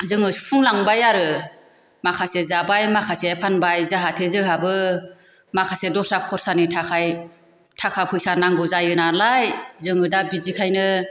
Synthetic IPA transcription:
zɯŋɯspʰuŋlaŋbajaɾɯ | makʰasezabajmakʰasepʰanbajzaɦatʰezɯɦabɯ | makʰasedɔsakʰɔɾsanitʰakʰaj | tʰakʰapʰɯjsanaŋɡɯzajɯnalajzɯŋɯdabizikʰajnɯ

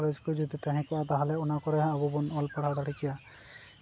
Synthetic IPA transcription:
led͡ʒkud͡ʒɔd̪it̪aɦɛ̃kɔad̪aɦalɛɔnakɔɾɛɦãːbɔbɔnɔlpɔɽ̤ad̪aɽʰikija

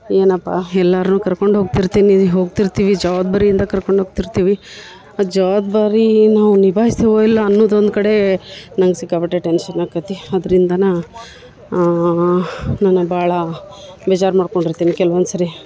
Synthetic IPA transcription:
e̞ːnɐpːaːɛlːaːɾɐnuːkɐɾko̞ɳɖɦoːɡ̚t̪iɾt̪iːniɦo̞ːɡ̚t̪iɾt̪iːʋid͡ʒɐʋad̪̚bɐɾijind̪ɐkɐɾkoɳɖɦoɡ̚t̪iɾt̪iːʋi | ad͡ʒɐʋad̪baːɾinaːʋunibʱaːɦisiʋoilːɐːnːod̪ond̪kɐɽe̞nɐŋɡsikːabɐʈːeʈenʃɐnakɐt̪iɐd̪ɐɾind̪ɐna | nanːubaːɭɐ | bɛd͡ʒaːɾmaːɖkoɳɖiɾt̪iːnikɛlʋɐnd̪sɐɾi

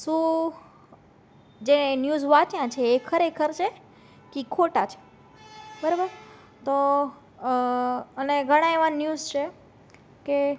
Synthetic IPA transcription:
sũ | d͡ʒenjuzʋaʈjãt͡ʃʰeːkʰəɾekʰəɾt͡ʃʰe | kikʰoʈat͡ʃʰe̥ | bəɾobəɾ | t̪o | əneɡʱəɽ̃ãeʋanjuzt͡ʃʰe | ke

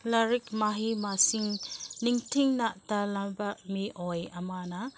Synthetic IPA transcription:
laɾikmaɦimasiŋniŋtʰiŋnaʔtalambamiʔojɐmana

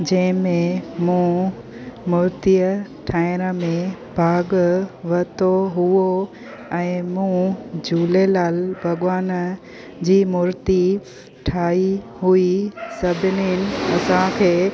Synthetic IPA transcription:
d͡ʑɐ̃ɦɪ̃mẽmũ | mʊɾt̪ijə | ʈʰaːɪɾəmẽbʱaːɡʋɐt̪oɦuo | ɛ̃ːmũd͡ʑuːlelaːlbʱɐɠʋaːn | d͡ʑiːmʊɾt̪i | ʈʰaːi | ɦuisɐbʱɪnɪnɪ̆ɐsãkʰeː

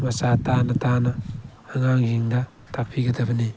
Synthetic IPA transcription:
masatanɐtanɐː | ŋaŋhiŋdɐ | tʰak̚pʰiɡɐdɐbɐni

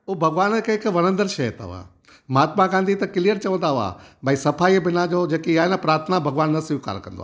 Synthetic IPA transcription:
ubʱɐɡʋaːnɪkɦɪkʋɐñə̃nd̪əɾʃɐjt̪a̰ʋa̰ː | maːt̪maɡãːnd̪ʱit̪ɐkɪlijəɾt͡ɕɐʋə̃nd̪aʋa̰ːbʱaːisɐfaːibɪnad͡ʑod͡ʑeːkiaːɦenapɾaːɾt̪ʰənabʱɐɡʋaːnːɐsʋɪka̰ːɾkɐ̰̃nd̪o̰aː

